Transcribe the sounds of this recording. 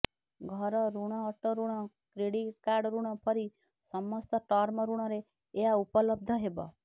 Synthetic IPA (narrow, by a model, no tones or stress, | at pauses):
ɡʱɔɾɔɾuɽ̃ɔːʈɔɾuɽ̃ɔ | kɾeɽiʈ̚kaɾɖɾuɽ̃ɔpʰʌɾi | sɔmɔst̪ɔʈɔɾmɔɾuɽ̃ɔɾeː | aupɔlɔb̚d̪ʱəɦebɔ̰